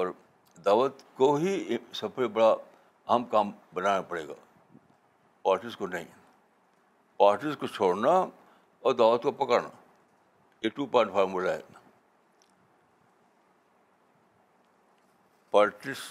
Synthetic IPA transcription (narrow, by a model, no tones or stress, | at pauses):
ɔːɾ | d̪aːʋət̪koɦisɐbebɐɽa | aːmkaːmbɐnaːnapɐɽḛːɡa̰ː | paːɾʈɪskonɐɦḭ̃ | paːɾʈɪskot͡ʃʰoːɽna | ɔːɾd̪aːʋət̪kopɐkəɾna̰ | jeʈuːpãːɳʈfʰaːɾmulaɦɛ̰ː | paːɾʈɪs